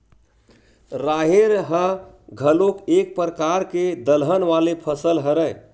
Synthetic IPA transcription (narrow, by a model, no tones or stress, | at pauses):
ɾaɦeɾɦə | ɡʱəlokek̚pɾəkaɾked̪əlɦənʋalepʰəsəlɦəɾəj